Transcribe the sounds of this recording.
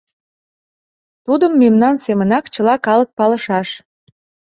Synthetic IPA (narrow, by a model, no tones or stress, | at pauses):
t̪ud̪əmːemnɑnsemənɑkt͡ɕəlɑkɑlək̚pɑləʃɑʃ